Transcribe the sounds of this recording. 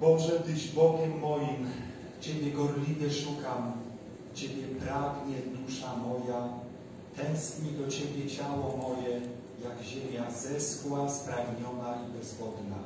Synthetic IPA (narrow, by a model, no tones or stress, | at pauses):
bɔbʐɛd̪ɘd͡ʑbɔɡʲɛmːɔjim | t͡ɕebʲjɛɡɔɾlʲid̪ɛʂukam | t͡ɕebʲjɛpɾaɡɲɛd̪uʂamɔja | t̪ɛ̃w̃skɲid̪ɔt͡ɕebʲjɛt͡ɕawɔmɔjɛ | jaɡʑemʲjaz̥ɛskwaspɾaɡɲɔnaibɛzvɔd̪na̰